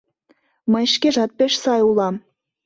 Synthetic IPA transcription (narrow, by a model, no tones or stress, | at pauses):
mə̆jʃkeʒɑt̪̚peʃsɑjulɑm